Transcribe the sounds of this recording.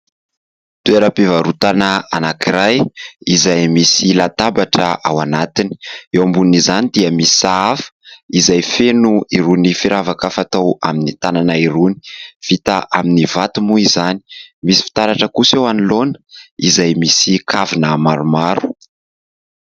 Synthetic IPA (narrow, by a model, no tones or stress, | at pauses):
t̪ueɾəpivaɾut̪anəanakiɾajizajmisilat̪abaʈ͡ʂəʔawanat̪ini̥ewmbunnizanid̪iəmisi̥saafə̥izajfenuiɾunifiɾʔavakafat̪owa̰minit̪ananaiɾuni̥v̥it̪aʔaminivat̪umuizani̥misi̥fi̥t̪aɾaʈ͡ʂəkusewanilonə̥izajmisikʰavinəmaɾumaɾu̥